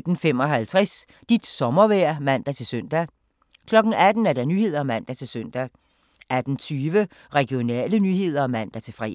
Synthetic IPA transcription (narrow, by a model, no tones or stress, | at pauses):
d̥n̩fem̰ɒ̽ɦælt͡sʰʁɛs | d̥id̥sɒ̽mɐʋæɐ̰mæn̰d̥æt͡sʰe̝lsøn̰d̥æ | kʰlɒ̽ɡ̥n̩æd̥n̩æɐd̥ænyːhe̝ð̰ˠɐmæn̰d̥æt͡sʰe̝lsøn̰d̥æ | ʔæd̥n̩t͡sʰyːʋə | ʁɛɡ̥jo̝nɛ̰ːlənyhe̝ð̞̰ˠɐɒmæn̰d̥æt͡sʰe̝fʁɛ̰